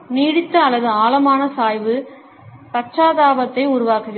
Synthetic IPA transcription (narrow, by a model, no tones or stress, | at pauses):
niːɽɪt̪ːɐɐlːɐðɯaːlɐmaːnɐsaːjʋɯ | pɐʈːaːðaːʋɐt̪ːɐɪʊɾʊʋaːkɯɣɐ